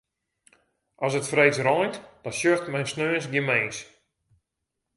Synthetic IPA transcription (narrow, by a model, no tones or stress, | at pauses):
ʔɔsətfrejt͡srɔjntd̥ɔsjøxtmɛjnsnøːs̬ɡjɪmeːs